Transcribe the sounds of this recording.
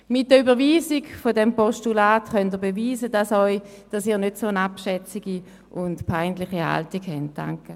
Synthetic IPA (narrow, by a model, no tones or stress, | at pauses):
mɪt̚dəybəʁviːziɡfodɛmpɔstulaːtχœntəbeviːzədasɔʏ | d̥asiːɐnøtsoːənapʃɛt͡siɡi | ʔʊntpʰaɪntlɪχiha̰ltikhɛnt̚d̥a̰ŋkə